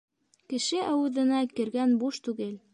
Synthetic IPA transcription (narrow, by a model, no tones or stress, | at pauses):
kɘ̆ʃɘʔæwɘðɘ̆nækɘ̆ɾɡænbuʃt̪ʉɡɘl